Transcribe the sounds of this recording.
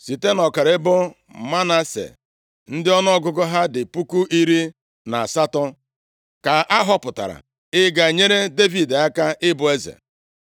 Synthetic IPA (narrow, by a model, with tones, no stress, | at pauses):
si˨te˦nɔ˨ka˨ɾe˦bʊ˦ | ma˦na˦sḛ˨ | n̩˦dɪ˦ɔ˦nɔ˦ɔ˦ɡʊ˦ɡʊ˦ɦa˦dɪ˨pu˦ku˦ʔi˦ɾi˦ | na˨sa˦tɔ˦ | ka˨ʔa˦ɦɔ˦pʊ˨ta̰˨ɾa̰˨ | ɪ˦ɡa˨ɲe˦ɾe˦de˦vi˨da˦ka˦ʔɪ˦bʊ˦˨e˦zḛ˨